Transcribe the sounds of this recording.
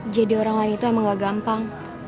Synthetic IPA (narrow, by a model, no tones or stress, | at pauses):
d͡ʒadioɾaŋlainit̪uamaŋɡaɡampaŋ